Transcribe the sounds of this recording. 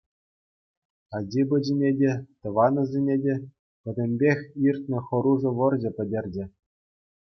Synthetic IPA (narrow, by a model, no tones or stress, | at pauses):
ɑd͡ʑibɤ̆d͡ʑinʲedʲet̪ɤ̆ʋɑnɤ̆zʲenʲedʲe | pʲɘ̆dʲɘ̆mʲbʲexʲirt̪̚ʲnʲɘ̆xɤ̆ɾuʐɤ̆ʋɤ̆rʑɘ̆pʲɘ̆dʲerʲd͡ʑɘ̆